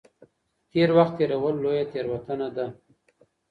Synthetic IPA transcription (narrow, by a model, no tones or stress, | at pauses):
t̪eɾwaxt̪ːeɾawəlːojat̪eɾwat̪ənad̪a